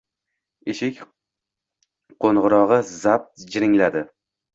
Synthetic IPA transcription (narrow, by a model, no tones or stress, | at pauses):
eʃɪkʲ | qʰoɴʁɨɾɒʁɨzap̚t̪d͡ʒɪɾɪŋlad̪ɪ